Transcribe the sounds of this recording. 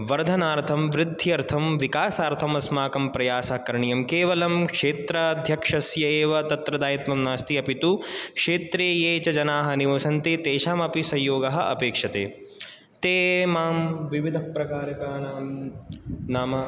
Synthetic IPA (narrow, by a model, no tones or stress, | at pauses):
ʋɐɾd̪ʱɐnaːɾt̪ʰɐmʋɾɪd̪ʱːiɐɾt̪ʰɐmʋikaːsaːɾt̪ʰɐmɐsmaːkɐmpɾɐjaːsɐkɐɾɐɳijɐmkeːʋɐlɐmkʂeːt̪ɾɐɐd̪ʱjɐkʂɐsjɐeːʋɐt̪ɐt̪ɾɐd̪aːjit̪mɐmnaːst̪iɐpit̪ukʂeːt̪ɾeːjeːt͡ʃɐd͡ʒɐnaːɦɐniʋɐːsɐnt̪it̪eːʃaːmɐpisɐjjoːɡɐɦɐ̆ʔɐ̰peːkʂɐt̪ḛː | t̪eːmaːmʋiʋid̪ʱɐpɾɐkaːɾɐkaːnaːm | naːmɐ